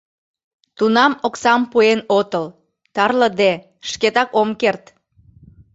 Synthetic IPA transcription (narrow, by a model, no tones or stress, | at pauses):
t̪unɑmoksɑmpuenot̪əl | t̪ɑrləd̪e | ʃket̪ɑkomkert̪